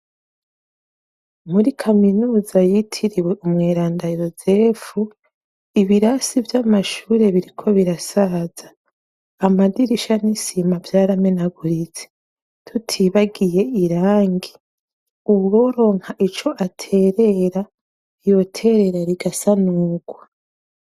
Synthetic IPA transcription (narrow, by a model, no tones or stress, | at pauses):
muɾikʰaminuːzajitʰiɾiwe̞ʔumŋeːɾaːndajo̞ze̞fu | iβiɾasivjamaʃuːɾe̞βiɾikʰo̞βiɾasaz̥aː | madiɾiʃanisimavjaːɾamenaɡuɾit͡se̥ | tʰutʰiβaɡije̞iɾaːŋɡi | uβɡo̞ːɾo̞ːŋ̥haʔit͡ʃo̞ʔatʰe̞ɾe̞ɾa | jo̞tʰe̞ɾe̞ɾaɾiɡasanuːɡ̥wa